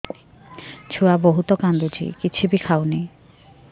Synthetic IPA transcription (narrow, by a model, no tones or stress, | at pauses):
t͡ɕʰuaboɦut̪ɔkand̪ud͡ʑʱḭkit͡ɕʰibikʰaoni